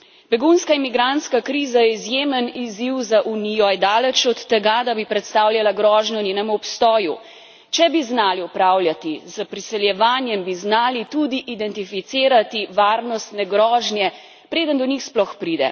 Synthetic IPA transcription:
bɛɡunskaimiɡɾant̪skakɾiːzajɛizjeːməniziwzaʔunijɔjd̪aːlɛt͡ʃɔt̪ːɛɡad̪abipɾɛt̪st̪aːwlʲjalaɡɾɔːʒnjɔnʲeːnɛmuɔpst̪ɔːju | t͡ʃɛbiznaːliɔpɾaːwljat̪izəpɾisɛljɛʋaːnjɛmbiznaːlit̪ud̪iʔid̪ɛnt̪ifit̪siːɾat̪iʋaːɾnɔst̪nɛɡɾɔːʒnjɛ | pɾeːd̪ənd̪ɔnixsplɔxpɾiːd̪ɛ̰

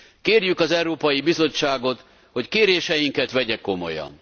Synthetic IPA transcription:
keːrjykɒzɛwɾoːpɒjibizo̞t͡ʃːaːɡo̞t̪ | ho̞ckeːɾeːʃɛjiŋkɛt̪ʋɛɟɛkːo̞mo̞̰jɒ̰n

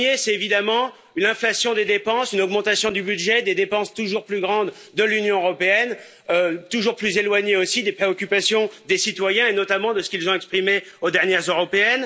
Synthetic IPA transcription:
esɛt̪evid̪amɑ̃ | ynɛ̃flasjɔ̃d̪ed̪epɑ̃synɔɡmɑ̃t̪asjɔ̃d̪ybyd̪ʒɛd̪ed̪epɑ̃st̪uʒuʁplyɡʁɑ̃d̪ːəlynjɔ̃øʁɔpeɛn | øt̪uʒuʁplyzelwaɲeosid̪epχeɔkʲypasjɔ̃d̪esit̪wajɛ̃enɔt̪amɑ̃d̪əsə̥kʲilzɔ̃ɛkspχimeod̪ɛʁnjɛʁzøʁɔpeɛn

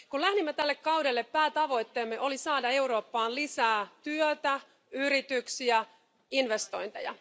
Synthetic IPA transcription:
kulæhnimːæt̪ælːekkɑwde̞lːepːæːt̪ɑʋo̞jt̪ːe̞ːmːeʔo̞lisɑːdɑe̞uɾo̞ːpːɑːnlisæːt̪yøt̪æ | yɾit̪yksiæ | inʋe̞st̪o̞jnt̪ḛjɑ̰

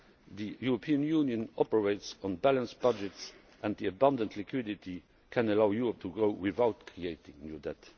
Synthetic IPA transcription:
ðijuɹopʰiːə̃njuːnjə̃nɔpəɹeɪtsɔ̃nbælə̃nsb̥ad͡ʒɛts | ʔæ̃nt̪ðiəbʌ̃ndə̃ntʰlikʰwɪditʰi | kʰæ̃nəlaʊjuːɹɔp̚tʰuɡɹoʊwɪðaʊtkʰɹieɪtɪ̃ŋnjudɛt

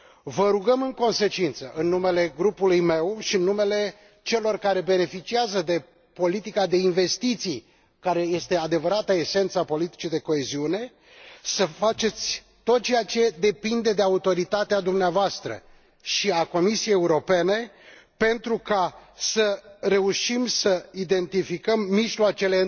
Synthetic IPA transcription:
vəɾuɡəmɨŋko̞nse̞t͡ʃint̪səʔɨnːume̞le̞ɡɾupulujme̞wʃiɨnːume̞le̞ | t͡ʃe̞lo̞rkaɾe̞be̞ne̞fit͡ʃiazəd̪e̞ | po̞lit̪ikad̪e̞inve̞st̪it̪sij | kaɾe̞je̞st̪e̞ad̪e̞vəɾat̪əe̞se̞nt̪sapo̞lit̪i̥t͡ʃid̪e̞ko̞e̞ziune̞ | səfat͡ʃe̞t̪sʲ | t̪o̞t̪̚t͡ʃejat͡ʃe̞d̪e̞pind̪e̞d̪e̞aut̪o̞ɾit̪at̪ead̪umneavoast̪ɾə̰ | ʃiako̞misijejeuɾo̞pe̞ne̞ | pe̞nt̪ɾukasəɾe̞uʃimsəid̪e̞nt̪ifikəmːiʒloat͡ʃe̞le̞

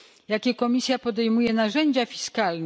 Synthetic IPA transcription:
jakʲɛkɔmʲisʲjapɔd̪ɛjmujɛnaʐɛɲd͡ʑafʲi̥skalnɛ

